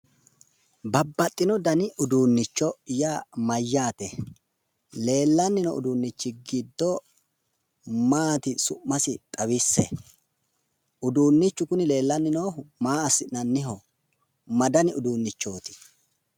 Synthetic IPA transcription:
bɐbːɐt̪ʼːɪnɔd̪ɐnɪʊd̪uːnːɪt͡ʃːɔjaːmɐjːaːt̪ɛ | le̞ːlːɐnːɪnɔ̰ʔʊ̰d̪uːnːɪt͡ʃːɪɡɪd̪ːɔ | maːt̪ɪsʊmːɐsɪt̪ʼɐwɪsːɛ̰ | ʊd̪uːnːɪt͡ʃːʊkʊnɪle̞ːlːɐnːɪnoːmaːɐsɪnɐnːɪɦɔ | mɐd̪ɐnɪʊd̪uːnːɪt͡ʃːo̞ːt̪ɪ̥

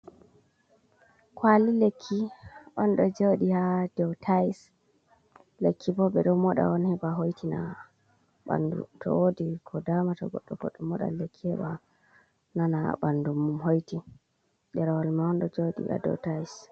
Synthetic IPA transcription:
kwalilekʰːiʔɔnɗɔd͡ʒoɗihadɛwtʰais | lekʰːibɔbɛɗɔmɔɗa̰ɔnhɛbaɦojtʰina | ɓa̰ndṵtʰɔ̰wodikʰɔdamatɔɡɔ̰ɗːɔɡɔɗːɔmɔɗa̰lekʰːihɛɓa | nana̰ɓandumːumɦojti | dɛɾwalmaɔnɗɔd͡ʒoɗḭha̰dɛ̰wtais

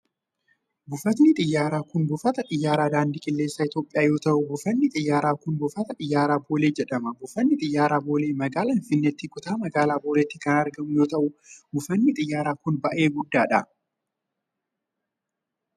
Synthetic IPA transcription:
bʊfɐt̪nɪt̪ʼɪjːaːɾaːkʊnbʊfɐt̪ɐᶑɪjːaːɾaːd̪aːnd̪ɪkʼɪlːe̞ːsːaːɪt̪joːpʼɪjaːjo̞ːt̪ɐʔʊbʊfɐnːɪt̪ʼɪjːaːɾaːkʊnbʊfɐt̪ɐᶑɪjːaːɾaːbo̞ːle̞ːd͡ʒɛᶑɐmɐbʊfɐnːɪt̪ʼɪjːaːɾaːbo̞ːleːmɐɡaːlɐnfɪnːet̪ːikʊt̪aːmɐɡaːlaːboːlɛt̪ːikɐnɐɾɡɐmʊjo̞ːt̪ɐʔʊbʊfɐnːɪt̪ʼɪjːaːɾaːkʊnbɐʔe̞ːɡʊd̪ːaːᶑɐ

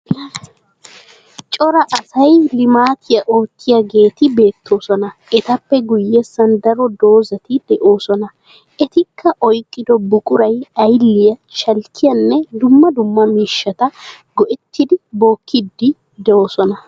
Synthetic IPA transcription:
t͡ʃʼɔɾɐʔɐsɐjlɪmaːt̪ʰɪjɐʔo̞ːkːɪjɐɡe̞ːt̪ɪbe̞ːt̪ʰːo̞ːsɔnɐɛt̪ɐpːɛɡʊjːɛsɐnd̪ɐɾɔd̪o̞ːzɐt̪ɪd̪ɛʔo̞ːsɔnɐ | ʔɛt̪ɪkʰːɐʔɔjkʼːɪd̪ɔbʊkʼʊɾɐjɐjlːɪjɐʃɐlkːɪjɐnːɛd̪ʊmːɐd̪ʊmːɐmiːʃːɐt̪ɐ | ɡɔʔɛt̪ːɪd̪ɪbo̞ːkːɪd̪ːɪ | d̪ɛoːsɔnɐ

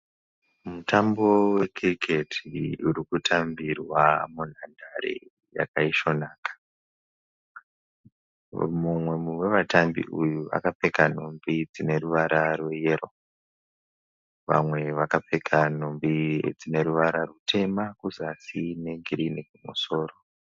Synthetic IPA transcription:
mutambo̞we̞kʰirikʰe̞tʰiuɾikutʰambirwamun̤andʱaɾḛ | ja̰kaiʃo̞naːkḁ | mumwe̞muwe̞ʋatambḭʔujuʋa̰kape̞kan̤umbid͡zine̞ɾuʋaɾarwejero̞ | ʋa̰mwe̞ʋakapekʰan̤ombid͡zine̞ɾuʋaɾarutʰe̞makuzasine̞ɡʱiɾinekumuso̞ːɾo

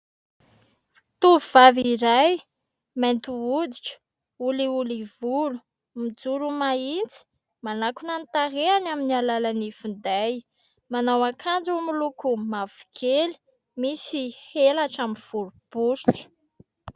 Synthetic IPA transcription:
t̪uvivaviɾaj | ment̪uud̪iʈ͡ʂə̥ | uliulivulu̥ | mid͡zuɾumaint͡si̥ | manakunant̪areanaminialalanifund̪aj | manawakʰand͡zumulukumav̥u̥kʰeli̥ | misihelaʈ͡ʂaminv̥uɾub̥uɾiʈ͡ʂə̥

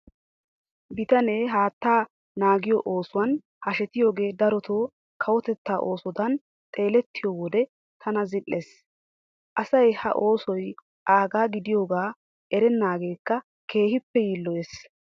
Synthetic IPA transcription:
bɪt̪ɐneːɦaːt̪ːaː | naːɡɪjɔʔoːsʊwɐn | hɐʃɛt̪ɪjo̞ːɡe̞ːd̪ɐɾɔt̪ʰoː | kʰɐwɔt̪ɛt̪ːaːʔo̞ːsɔd̪ɐn | t̪ʼe̞ːlɛt̪ːɪjoːwɔd̪ɛ | t̪ʰɐnɐzɪlːes | ʔɐsɐjhɐ̰ʔo̞ːsɔj | ʔaːɡaːɡɪd̪ɪjo̞ːɡaː | ʔɛɾɛnːaːɡe̞ːkːɐ | kʰe̞ːhɪpːɛjiːlːɔjes

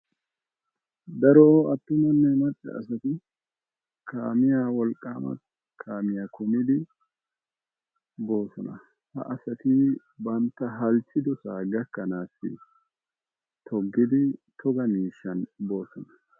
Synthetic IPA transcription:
d̪ɐɾoɐt̪ːʊnɐnːɛmɐt͡ʃʼːɛ̰ɐ̰sɐt̪ɪ | kʰaːmɪjaːwɔlkʼːaːmɐ̰ | kʰaːmɪjaːkʰʊmɪd̪ɪ | bo̞ːsɔnɐ | hɐ̰ʔɐsɐt̪ɪ | bɐnt̪ːɐɦɐlt͡ʃːɪd̪ɔsaːɡɐkːɐnaːsːɪ̰ | t̪ʰɔɡːɪd̪ɪt̪ʰɔɡɐmiːʃːɐnbo̞ːsɔnɐ

